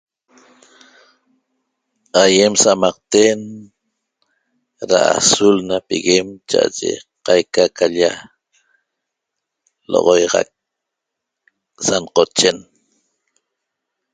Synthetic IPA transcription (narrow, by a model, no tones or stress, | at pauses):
ajemsamɑq̚t̪en | ɾa̰a̰sulnapiɣemt͡ʃaʔaʒḛqajkakaʎa | lo̰ʁojʁɑ̰k̚ | sanqot͡ʃe̞n